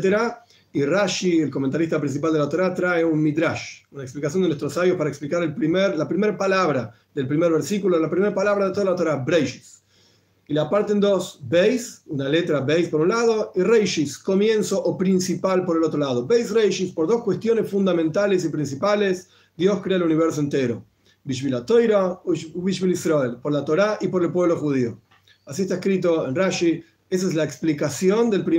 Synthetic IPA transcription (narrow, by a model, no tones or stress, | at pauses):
t̪eɾa | iraʃielkoment̪aɾist̪ap̬ɾĩns̬ip̬ald̪elat̪oɾat̪ɾaeunmiðɾaʃunaeksplikas̬jond̪enwest̪ɾosaβjospaɾaeksplikaɾelpɾimeɾlapɾimeɾpalaβɾa | ðelpɾimeɾβɛɾsikulolapɾimeɾpalaβɾaðet̪oðalat̪o̞ɾabɾejʃi̥s | ilapaɾt̪end̪osbejsunalet̪ɾabejspoɾũnlaðo̞irejʃiskomjensoʔopɾinsipalpoɾelot̪ɾolaðobejsrejʃispoɾðoskwe̞st̪jonesfund̪ament̪ales̬ipɾĩns̬ipales | d̪joskɾeaeluniβeɾs̬oent̪eɾo | biʃ̬vβilat̪ojɾauβiʃβilisɾoelpoɾlat̪oɾaʔipoɾelpwe̞βloxuðio | asiest̪aeskɾit̪̬oenraʃi | es̬aezlaeksplikasjond̪elpɾi